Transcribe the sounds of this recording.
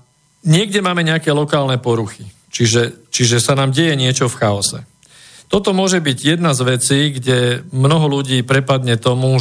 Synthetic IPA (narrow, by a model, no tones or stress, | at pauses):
ɲɪɛɡɟɛmaːmɛɲɛakɛːlɔkaːlnɛpɔɾuxi | t͡ʃiʒɛt͡ʃiʒɛsanaːmɟɛjɛɲɪɛt͡ʃɔfxaɔsɛ | t̪ɔt̪ɔmʊɔʒɛbiɟjɛd̪nazʋɛt͡siːɡɟɛmnɔɦɔluɟiːpɾɛpad̪ɲɛt̪ɔmu